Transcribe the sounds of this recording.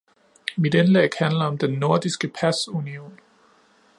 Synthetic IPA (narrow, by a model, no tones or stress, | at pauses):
mid̥enlḛɡ̥hænlɐɒ̽md̥enːo̝ɐd̥isɡ̥əpʰæsunio̝̰ːn